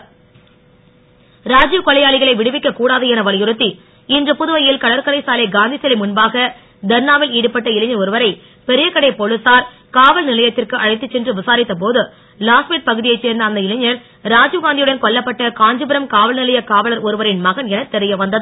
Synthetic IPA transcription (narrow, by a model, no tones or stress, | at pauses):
ɾaːd͡ʒɯkɔɭɐjaːɭɪɣɐɭɐɪʋɪɽɯʋɪkːɐkuːɽaːðɯɛnɐʋɐlɪjɯɾɯt̪ːi | ɪndrɐpʊðɯʋɐjɪlkɐɭɐɾkɐɽɐɪsaːlɐɡaːnd̪isɛlɪmʊnbaːɣɐ | d̪ɐɾnaːʋɪliːɽɯpːɐʈːɐɪlɪɲːɐɾɔɾɯʋɐɾɐɪ | pɛɾɪjɐkːɐɽɐɪpɔɭɯsaːɾ | kaːʋɐlnɪlɐjɐt̪ːɪrkɯʔɐɻɐɪt̪ːɯt͡ʃːɛndrɯʋɪsaːɾɪt̪ːɐp̬oːðɯ | laːsmiːʈ̚pɐɣɯðɪjɐɪt͡ʃːeːɾnd̪ɐːnd̪ɐɪlɪɲːɐɾ | ɾaːd͡ʒɡaːnd̪ɪjɯɽɐnkɔɭːɐpːɐʈːɐkaːɲd͡ʒɯbɪɾɐmkaːʋɐlnɪlɐjɐkaːʋɐɭɐɾɔɾɯʋɐɾɪnmɐɣɐnɛnɐt̪ːɛɾɪjɐʋɐnd̪ɐðɯ